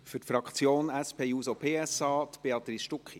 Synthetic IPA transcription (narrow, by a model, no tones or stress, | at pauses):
fʏɾtfɾɑkχt͡sjoːnæspʰeːjuːsopʰeːɛsɑːt̪b̥eɑt̪ɾisʃtukχi